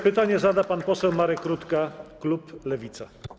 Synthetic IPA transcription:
pɘt̪aɲɛzad̪apanpɔsɛwmaɾɛkɾut̪kakluplɛvʲit̪sa

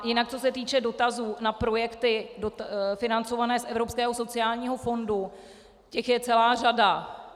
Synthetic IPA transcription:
jɪnak̚t͡so̞sɛt̪iːt͡ʃɛdo̞t̪azuːnapɾo̞jɛkt̪ɪdofɪnant͡so̞vanɛːsʔɛvɾo̞pskɛːɦo̞so̞t͡sɪaːlɲiːɦo̞fo̞ndu | cɛxjɛt͡sɛlaːrada

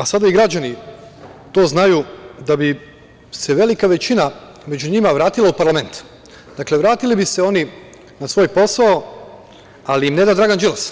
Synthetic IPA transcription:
asad̪aiɡɾad͡ʑani | t̪o̞ːznajud̪abi | se̞ʋe̞likaʋe̞t͡ɕina | me̞d͡ʒuɲimaʋɾaːt̪ilˠaupaɾlˠame̞nt̪ | d̪akle̞ʋɾaːt̪ilibise̞o̞ni | nasʋo̞ːjpo̞sao | aliimned̪ad̪ɾaːɡand͡ʒilˠas

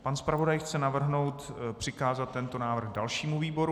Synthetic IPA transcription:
panspɾavo̞dajxt͡sɛnavr̩ɦno̞wt̪pr̝̥ɪkaːzat̪ːɛnt̪o̞naːvr̩ɣdalʃiːmuviːbo̞ɾu

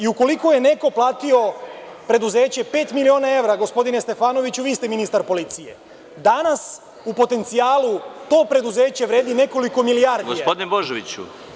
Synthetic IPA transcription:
iuko̞liko̞je̞ne̞ko̞plˠaːt̪io̞ | pɾe̞d̪uze̞ːt͡ɕe̞pe̞ːt̪milio̞ːnae̞ʋɾaɡo̞spo̞d̪ine̞st̪e̞faːno̞ʋit͡ɕuʋiːst̪e̞minist̪aɾpo̞lit̪sije̞̰ | d̪anas | upo̞t̪e̞nt̪siaːlut̪o̞ːpɾe̞d̪uze̞ːt͡ɕe̞ʋɾe̞ːd̪ine̞ko̞liko̞milijaɾd̪ɡoisapod̪ineboʒeʋit͡ɕṵ

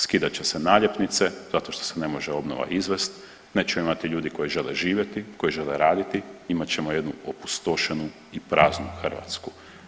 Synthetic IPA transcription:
skid̪at͡ɕesenaːʎjepnit̪sez̥at̪o̞ʃt̪o̞sene̞mo̞ʒeo̞bno̰ʋa̰ʔizʋest̪ | net͡ʃɛimat̪iʎuːd̪iko̞jiʒe̞leʒiːʋje̞t̪iko̞jiʒe̞leɾaːd̪it̪iimat͡ɕemo̞je̞d̪nuopu̥st̪oʃenu | ipɾaːznuxr̩ʋa̰t̪sku

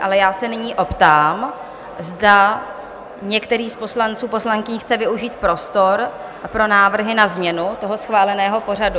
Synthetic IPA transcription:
ʔalɛjaːsɛnɪɲiːʔo̞pt̪aːm | zda | ɲɛkt̪ɛɾiːspo̞slant͡suːpo̞slaŋkɪɲxt͡sɛvɪuʒiːt̪pɾo̞st̪o̞ɾ | pɾo̞naːvr̩ɦɪnazmɲɛnut̪o̞ɦo̞sxvaːlɛnɛːɦo̞po̞r̝adu

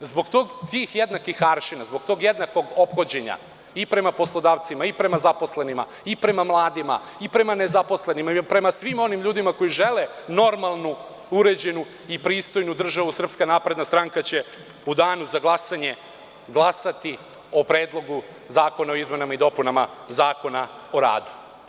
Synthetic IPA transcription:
zbo̞ɡt̪o̞ːɡt̪ixjed̪nakixaɾʃinazbo̞ɡ̚t̪o̞ɡje̞d̪nako̞ɡo̞pxod͡ʑe̞ɲa̰ | ipɾe̞mapo̞slˠo̞d̪aːʋt̪simaipɾe̞mazapo̞sle̞nima̰ | ipɾe̞mamlˠaːd̪ima̰ | ipɾe̞mane̞zapo̞sle̞nimapɾe̞masʋimo̞nimʎuːd̪imako̞jiʒe̞leno̞ɾmalˠnu | uɾe̞d͡ʑe̞nu | ipɾiːst̪o̞jnud̪r̩ʒaʋusr̩pskanaːpɾed̪nast̪ɾaŋkat͡ɕe̞ | ud̪aːnuzaɡlˠasaɲe̞ | ɡlˠasat̪i | o̞pɾeːd̪lˠo̞ɡu | zaːko̞naoizme̞namaid̪o̞punama̰zaːko̞nao̞ɾa̰ːd̪u̥

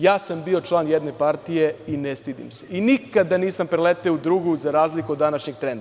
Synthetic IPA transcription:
jaːsambio̞t͡ʃlˠaːnjed̪ne̞paɾt̪ije̞inest̪id̪ḭmseinikad̪aniːsampɾelet̪eud̪ɾuɡuzaɾaːzlikud̪ːanaʃɲeɡ̚t̪ɾe̞nd̪a

